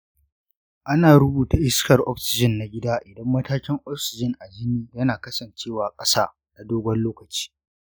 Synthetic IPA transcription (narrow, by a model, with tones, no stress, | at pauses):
ʔa˦naː˨ɾʊ˦buː˨ta˨ʔɪ˦skɐ˨rʔɔ̰˦ɸsɪ˨d͡ʒɪ˨nːa˨ɡʲɪ˦daː˦ʔɪ˨dɐ˦mːɐ˦taː˦kʲɪ˦ŋʔɔ˦ɸsɪ˨d͡ʒɪ˦ŋʔa˨d͡ʒɪ˦niː˦jɐ˦naː˨kɐ˦sɐ˨nt͡ʃeː˦˨waː˨kʼɐ˦saː˦ | na˨doː˦ɡʷɐ˦nloː˦kɐ˨t͡ʃi̥ː˦